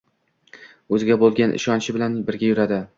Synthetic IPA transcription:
ɵzɪɡʲabolˠɡʲanʔɪ̰ʃɒnt͡ʃʰɪbɪlanbɪɾɡʲajʊɾad̪ɪ

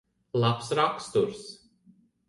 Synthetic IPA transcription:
lˠapsɾakst̪uɾs

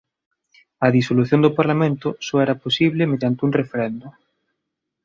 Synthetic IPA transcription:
ɐðisoluθjõnd̪ʊpaɾlamẽnt̪ʊsɔɛɾɐposiβlemeðjant̪ɪuŋrefeɾɛnd̪ʊ

